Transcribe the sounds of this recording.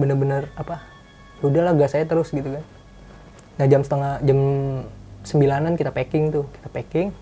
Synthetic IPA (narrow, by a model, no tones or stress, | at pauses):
bənərbənərapa | udahlahɡaʔsajat̪əɾʊsɡit̪ukan | nahd͡ʒamsə̥t̪əŋahd͡ʒam | səmbilanankit̪apekɪŋt̪ʊki̥t̪apekɪŋ